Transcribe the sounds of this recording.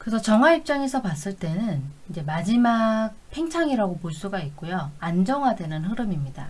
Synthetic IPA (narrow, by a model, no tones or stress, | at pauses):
kɯsʰʌt͡ɕʌŋɦaip̚t͡ɕ͈aŋe̞sʰʌpas͈ɯɭt͈e̞nɯnid͡ʑe̞mad͡ʑimak̚pʰe̞ŋt͡ɕʰaŋiɾaɡopoɭs͈uɡaik̚k͈ojoand͡ʑʌŋɦwadwe̞nɯnɦɯɾɯmimɲida